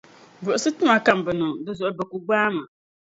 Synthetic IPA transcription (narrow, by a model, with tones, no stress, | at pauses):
bʊ˨ʊ˨sɨ˦tʊ˦ma˨ka˦mbɨ˨nʊ˨dɨ˦zʊ˨ʔʊ˦bɛ˨ku˨ɡ͡baː˦ma˨